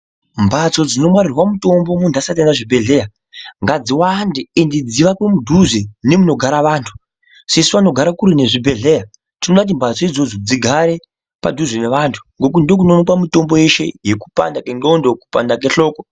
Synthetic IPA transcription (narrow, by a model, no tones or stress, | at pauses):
mbʱat͡so̞d͡zino̞mwarirwamuto̞mbo̞mundasat̬anaʐibʱe̞ɮe̞ja | ŋɡad͡ziwandeindid͡ziʋakwemudʱuʐene̞muno̞ɡʱaɾaʋaːntʰu̥ | sesuʋanoɡʱaɾakuɾine̞ʐibʱe̞ɮe̞ja | tinoɗaut̬imbʱat͡so̞id͡zo̞d͡zo̞d͡ziɡʱaɾe̞ | pa̰dʱuʐeneʋantʰu̥ŋɡo̞k̬undok̬unonokwamuto̞mbo̞je̞ʃe̞̰jeku̥pa̰ndakenondoku̥pandak̬eɬo̞ːko